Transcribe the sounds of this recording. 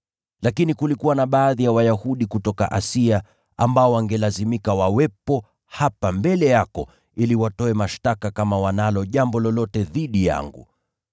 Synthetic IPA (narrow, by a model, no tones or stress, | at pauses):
lakinikulikuwanaɓaːðijawajahuɗikutɔka̰ʔasia | ambaɔwaŋɡɛlazimikawawɛpɔ | hapambɛlɛjakɔ | iliwatɔɛmaʃtakakamawanalɔʄambɔlɔlɔtɛðiɗija̰ŋɡṵ